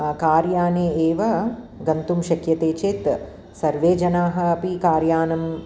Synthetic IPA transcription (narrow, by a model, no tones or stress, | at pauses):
kaːɾjaːneːeːʋɐ | ɡɐnt̪umʃɐkʰjɐt̪eːt͡ʃeːt̪ | sɐɾʋeːd͡ʒɐnaːɦɐ̆ɐpikaːɾjaːnɐm